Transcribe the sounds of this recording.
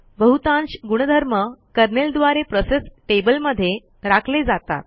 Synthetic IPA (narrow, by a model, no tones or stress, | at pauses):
bəɦut̪ãnt͡ɕɡuɽ̃əd̪ʱəɾməkəɾneld̪ʋaɾepɾosesʈebəlməd̪ʱːje | ɾakʰled͡zat̪a̰t̪̚